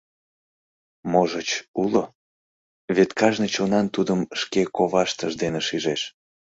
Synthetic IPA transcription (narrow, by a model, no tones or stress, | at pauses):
moʒət͡ɕulo | βet̪kɑʒnət͡ɕonɑnt̪ud̪əmʃkekoβɑʃt̪əʒd̪eneʃiʒeʃ